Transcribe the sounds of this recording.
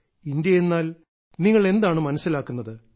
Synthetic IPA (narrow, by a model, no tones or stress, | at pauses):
ind̪jɐje̞nːaːl | niŋːɐɭe̞nd̪aːɳɨmɐnɐsːilaːkːunːɐðɨ